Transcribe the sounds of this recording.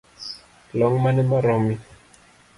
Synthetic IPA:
lɔŋmanɛmaɾɔmi

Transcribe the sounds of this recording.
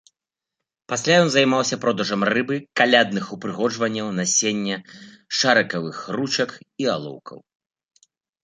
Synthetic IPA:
pasʲlʲajɔnzɐjmawsʲɐpɾɔd̪ɐʐɐmrɨbɨkalʲad̪nɨxupɾɨɣɔd͡ʐvɐnʲːɐwnɐsʲenʲːɛ | ʂaɾɐkɐvɨxrut͡ʃɐkia̰lˠɔ̰wkʰɐ̰w

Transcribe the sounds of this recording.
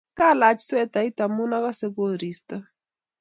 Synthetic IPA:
kalat͡ʃswɛt̪ait̪amunaɣaseɡoɾist̪a

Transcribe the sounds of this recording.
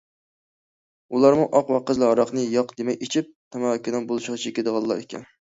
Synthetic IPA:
ulˠɑɾmuʔɑqwɑqəzlˠɨɑɾɑqnɨjɑqd̪emɛket͡ʃʰip̚t̪ʰæmɑʁkʲʰid̪ɑnbolˠɨʃʁɑt͡ʃʰikʲed̪əʁɑlˠːɑɾekʲɛ̰n

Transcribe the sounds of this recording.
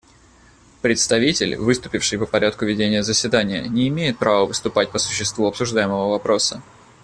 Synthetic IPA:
pɾʲɪt̪st̪ɐvʲitʲɪlʲvɨst̪ʊ̥pʲɪfʂɨjpəpɐɾʲʔat̪kʊvʲɪdʲenʲɪjəzəsʲvʲɪd̪anʲɪjə̰nʲɪːmʲejɪt̪̚pɾavəvɨst̪ʊpat̚ʲpəsʊ̥ɕːɪst̪vuɐpsʊʐd̪ajɪməvəvɐpɾo̞sə

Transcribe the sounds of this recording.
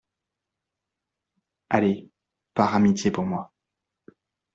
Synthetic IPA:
ale | paʁamit̪jepuʁmwa

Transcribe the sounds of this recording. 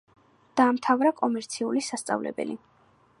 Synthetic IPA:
d̪̥aːmt̪ʰavɾakʼɔmɛɾt̪sʰiulisast̪sʼa̰vlɛ̰bɛ̰li

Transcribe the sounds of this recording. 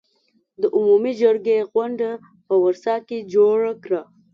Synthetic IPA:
d̪əʔʊmumid͡ʒaɾɡeɣwaɳɖa | pəwaɾsɑked͡ʒoɽakɾa

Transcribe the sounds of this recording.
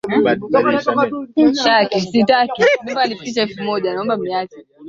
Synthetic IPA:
t͡ʃakisitakimibalipit͡ʃaɛfumɔʄanaɔmbamiat͡ʃɛ

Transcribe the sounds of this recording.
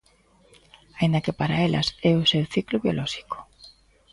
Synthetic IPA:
aĩnd̪ɐkepaɾaelʔɐ̰sɛʊsewθiklʊβjo̰lʔɔʃi̥ko̥

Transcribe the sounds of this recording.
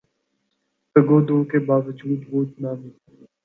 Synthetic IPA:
t̪əɡoːd̪oːkebaːʋəd͡ʒuːd̪ʋoːt̪naːnɪ

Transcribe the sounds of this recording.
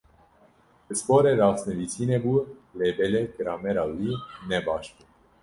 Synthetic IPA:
əspoɾɛɾɑːsnəvit͡sʰinɛbulɛbɛlɛɡəɾɑːmɛɾɑwinɛbɑːʃt̪u

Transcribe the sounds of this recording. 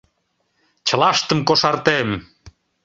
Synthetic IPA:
t͡ɕə̆lɑʃt̪əmkoʃɑrt̪em

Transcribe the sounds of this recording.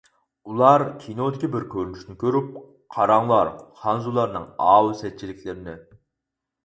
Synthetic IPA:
ulˠɑɾkʲʰinod̪ɪkʲibɪɾkʲʰøɾynyʃnɪkʲʰøɾyp̚ | qʰɑɾɑŋlˠɑɾχɑnzulˠɑɾnɨŋɑːwsɛt͡ʃʰilɪkʲʰlɪɾɪnɪ

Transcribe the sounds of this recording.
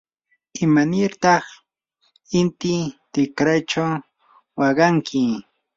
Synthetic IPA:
ɪmanɪɾt̪ɑχ | ɪnt̪ɪt̪ɪkɾajt͡ʃaw | wɑɢɑŋkʰɪ

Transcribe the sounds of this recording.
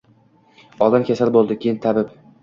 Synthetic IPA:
ɒlˠd̪amkʲʰasalbolˠd̪ɪkʲʰejɪnt̪ʰabɪp

